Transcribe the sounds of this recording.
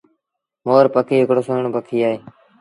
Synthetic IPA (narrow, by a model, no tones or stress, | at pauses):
moːɾpəkʰiːɦɪkɽoːsoːɳoːpəkʰiːaːɦeː